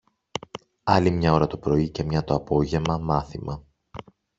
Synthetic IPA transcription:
ɐlimɲɐo̞ɾɐt̪opɾo̞ice̞mɲɐt̪o̞ɐpo̞ʝe̞mɐmɐθimɐ

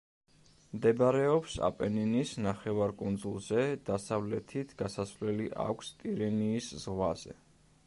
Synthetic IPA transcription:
md̪ɛbaɾɛɔpsa̰pʼɛninisnaχɛvaɾkʼund̪zulˠzɛd̪̥asavlɛt̪ʰit̪ʰɡ̥asasvlɛliʔa̰kʷʰst̪ʼiɾɛniːszʁwaz̥ɛ̰

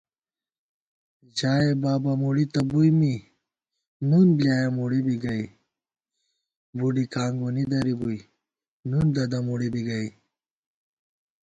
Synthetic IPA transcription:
d͡ʑaːebaːbamuɽit̪ɐbujmi | nunbljaːjɐmuɽibiɡɐi | buɖikaːŋɡunid̪ɐɾibuj | nund̪ɐd̪ɐmuɽibiɡɐi

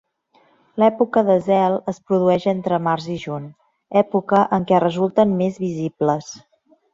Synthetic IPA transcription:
lɛpukəðəzɛlˠəspɾuðuɛʃent̪ɾəmaɾziʒun | ɛpukəʔəŋkɛrəzulˠt̪ənmezβizibləs

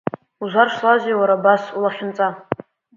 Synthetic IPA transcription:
uʒʷarʂlazʷewaɾabasulaχʲɪnt͡sʼa

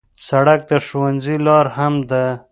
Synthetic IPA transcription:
saɽak̚d̪əʃowanzilɑɾhamd̪ə

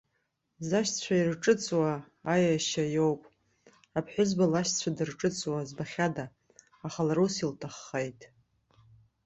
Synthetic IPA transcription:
zaʃt͡sʷʰairʈ͡ʂʼɨt͡sʼwaː | jaʃajo̞wpʼ | apʰħʷᶣʊzbalaʃt͡sʷʰadɨrʈ͡ʂʼɨt͡sʼwazbaχʲadaː | χalaɾusiltʰaχːejtʼ

